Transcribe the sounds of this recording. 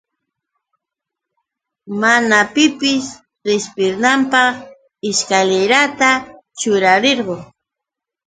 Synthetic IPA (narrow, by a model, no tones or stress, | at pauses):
manapɪpɪs | ɾespɪɾnampɑχ | ɪʃkaleɾat̪a | t͡ʃʊɾaɾeɾɢo